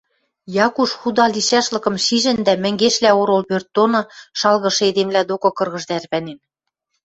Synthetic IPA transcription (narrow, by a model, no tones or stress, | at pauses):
jɑkuʃxud̪ɑliʃæʃlɤ̆kɤ̆mʃiʒɘ̆nd̪æmɘ̆ŋɡeʃlæoɾolpørt̪̚ːonŏʃɑlɣɤ̆ʃɤ̆ed̪emlæd̪okɤ̆kɤ̆rɣɤ̆ʒd̪ærβænen